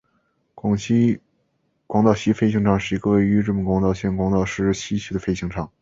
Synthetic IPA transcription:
kwɑ˨˩ŋɕi˥ | kwɑ˥ŋt̪ɑ˥˩ʊɕi˥fe˥ɪɕi˥ŋʈ͡ʂʰɑ˥˧ŋʂɻ̩˥˩i˧˥ɡə˧we˥˩ɪy˧˥ʈ͡ʂɤ˥˩pə˨˩nkwɑ˧˥ŋt̪ɑ˥˧ʊɕjɛ˥˩nkwɑ˧˥ŋt̪ɑ˥˧ʊʂɻ̩˥˩ɕi˥ɕʰi˧˥d̪ə˧fe˥ɪɕi˧˥ŋʈ͡ʂʰɑ˥˩ŋ

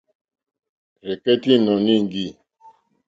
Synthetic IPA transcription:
ɾɛ˨kɛ˦ti˦˨nɔ˨nĩ˦˨ŋ˨ɡi˦˨

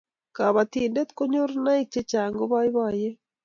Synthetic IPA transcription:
ka˨βa˨t̪i˨nde˦t̪ko˦ɲo˦ɾna˦i˦t͡ʃe˦t͡ʃa˨ŋɡo˦βa˦i˦βa˨je˦

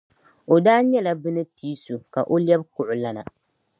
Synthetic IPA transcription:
o˨daː˦ɲɛ˦la˦bɨ˦nɨ˦piː˨˦su˨ka˨ʔo˦ljɛ˦b̚kʊ˨ʔʊ˨la˦na̰˨

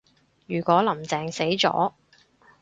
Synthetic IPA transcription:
jyː˨˩kʷɔː˨˥lɐ˨˩mt͡sɛː˨ŋse˨˥jt͡sɔ̰ː˨˥

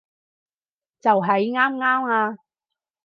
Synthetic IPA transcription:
t͡sɐ˨wɦɐ˨˧jŋaː˥mŋaː˥maː˧

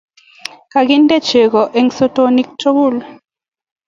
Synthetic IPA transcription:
ka˨ɡɪ˦nde˦t͡ʃe˨ɡɔ˨ʔe˨˦ŋso˦to˦ni˦k̚to˦ɡu˦˨l

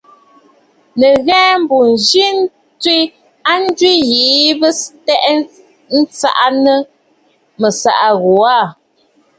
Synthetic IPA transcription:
nə˨ɣɛː˦m˦bu˨n̩˨d͡ʒi˦n˦ | twi˦ | a˦n̩˦dwi˦jiː˨˦bə˦tɛ˦ʔ | n̩˦t͡sa̰˦ʔa˦nə˦ | mə˨sa̰˨ʔa˨ɣo˨a˦˨

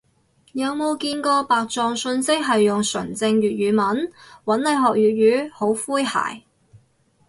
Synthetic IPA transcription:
jɐ˨˧wmo˨˧wkiː˧nkɔː˧paː˨k̚t͡sɔː˨˧ŋsɵ˧nsɪ˥k̚ɦɐ˨jːʊ˨˩ŋsɵ˨˩ŋt͡sɪ˧ŋjyː˨t̚ɥyː˨˧mɐ˨˥nwɐ˨˥nle˨˧jɦɔː˨k̚jyː˨t̚ɥyː˨˧ho˨˥wfuː˥jha̰ː˨˩j

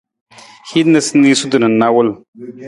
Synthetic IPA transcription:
hi˦d̪nɐ˦sni˦su˦d̪u˨nɐ˨nːa˦wə˦l

